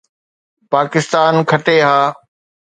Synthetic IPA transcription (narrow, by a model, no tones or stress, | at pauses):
paːkɪst̪aːnkʰəʈeːɦaː